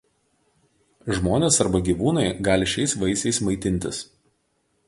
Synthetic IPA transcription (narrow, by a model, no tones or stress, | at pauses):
ʒmoːnʲeːsɐɾbɐɡʲiːʋuːnɐɪɡɑːlʲɪʃʲɛɪsʋɐɪsʲɛɪsmɐɪt̪ʲɪnʲt̪ʲɪs